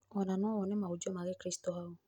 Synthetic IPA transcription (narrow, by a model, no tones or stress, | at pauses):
ɔnãnɔ̃wɔnɛmaud͡ʒɔmaɡekɾist̪oɦao